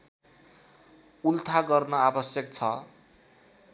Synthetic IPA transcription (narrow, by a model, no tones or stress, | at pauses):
ult̪ʰaɡʌrnʌabʌsjʌk̚t͡sʰʌ